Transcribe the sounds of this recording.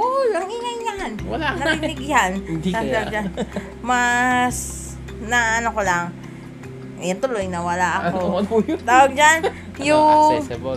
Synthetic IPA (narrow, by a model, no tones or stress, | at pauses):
oɐŋiŋajɲahannɐbɪnɪɡɪhanawɡt̪awd͡ʒan | mas | nɐʔɐnokolaŋ | ʔjʊnt̪ʊlojnɐwɐlaʔɐkot̪aːwɐɡ̚d͡ʒan | jʊ